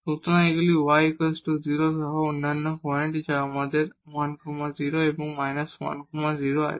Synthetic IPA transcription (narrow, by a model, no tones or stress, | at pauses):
t̪ut̪ʰnãeɡliwajkəsʈuziɾosaɦɔunːanːɔkɔeɳʈd͡ʒamad̪eɾwankumaziɾoebɔŋmajnaswa̰nkumaziɾoa̰j̰